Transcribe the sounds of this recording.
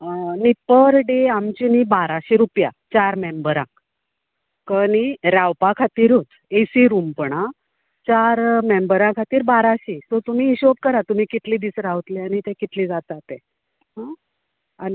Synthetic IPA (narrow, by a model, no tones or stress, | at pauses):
nipəɾɖeamt͡ɕinibaɾaɕiɾupja̰t͡ɕaɾmembəɾã̰k | kəniɾawpakʰat̪iːɾut͡s | esiɾumpəɳ̃a | t͡ɕaɾmembəɾãkʰat̪iːɾbaɾaɕiːsot̪um̤iːɕop̚kəɾat̪um̤iːkit̪liːd̪iːsɾawt̪liañit̪ẽkit̪liːd͡zat̪at̪ẽ | ɦã | ani